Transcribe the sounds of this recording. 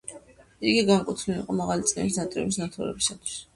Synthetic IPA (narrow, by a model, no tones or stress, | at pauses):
iɡiɡankʼut̪ʰniliqʼɔmaʁalit̪sʼnɛ̰misnat̪ʼɾɛ̰bisnat̪ʰuɾɛ̰bisat̪ʰwi̥s